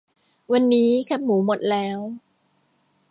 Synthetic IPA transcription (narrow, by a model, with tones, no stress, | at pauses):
wa˧nːiː˦˥kʰa˧˦˥p̚muː˩˦mo˨˩t̪̚lɛː˦˥w